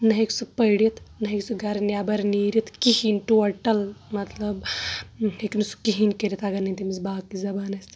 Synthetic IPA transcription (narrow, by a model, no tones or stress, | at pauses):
nɐɦeksupɐjɽit̪nɐɦiksuɡɐɾnjaːbɐɾniːɾit̪kihinʈuɐʈɐlmɐt̪lɐb | heknusu̥kiɦinkɐɾit̪ɐɡɐnɐnt̪imizbaːkizɐbaːnɐsʲt̪